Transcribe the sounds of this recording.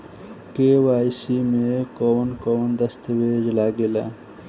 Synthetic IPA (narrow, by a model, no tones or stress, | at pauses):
keːwaːjsimẽkownkownd̪ɐst̪weːd͡ʒlaːɡela̰